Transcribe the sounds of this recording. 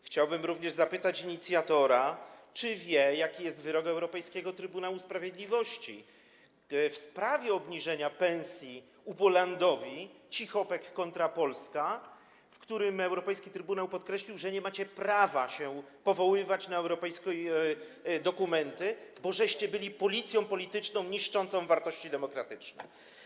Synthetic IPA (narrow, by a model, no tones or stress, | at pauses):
xt͡ɕawbɘmɾuvɲɛʐzapɘt̪at͡ɕiɲit̪sʲjat̪ɔɾat͡ʂɘvʲjɛjakʲijɛst̪vɘɾɔɡaɛwɾɔpɛjskʲɛɡɔt̪ɾɘbunawuspɾavʲjed̪lʲivɔɕt͡ɕḭ | fspɾavʲjɛɔbɲiʐɛɲapɛ̃ñsʲji | upɔland̪ɔvʲit͡ɕixɔpɛkːɔnt̪ɾapɔlska | fkt̪uɾɘmɛwɾɔpɛjskʲit̪ɾɘbunawpɔt̪kɾɛɕlʲiwʐɛɲɛmat͡ɕɛpɾavaɕɛpɔvɔwɘvat͡ɕnaɛwɾɔpɛjskɔj | d̪ɔkumɛnt̪ɘbɔʐɛɕt͡ɕɛbɘlʲipɔlʲit̪sʲjɔ̃w̃pɔlʲit̪ɘt͡ʂnɔ̃w̃ɲiʂt͡ʂɔnt̪sɔ̃w̃vaɾt̪ɔɕt͡ɕid̪ɛmɔkɾat̪ɘt͡ʂnɛ̰